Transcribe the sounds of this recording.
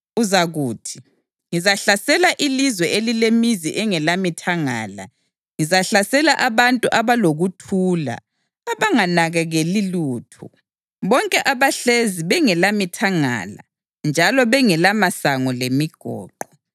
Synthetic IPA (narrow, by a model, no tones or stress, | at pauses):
uzaɣuːtʰi̥ | ŋizaɬasɛlaʔilizwɛʔelilemiziʔɛŋɛlamitʰaŋa̰ːla̰ | ŋizaɬasɛlaʔaβantʼuʔaβaloɣutʰuːla̰ː | βaŋanaɣɛɣeliluːtʰṵ | βɔŋkʼɛʔaβaɬeziβɛŋɛlamitʰaŋa̰la̰ | nd͡ʒʱalɔβɛŋɛlamasaŋɔlemiɡ̥ʱɔ̰ːǃɔ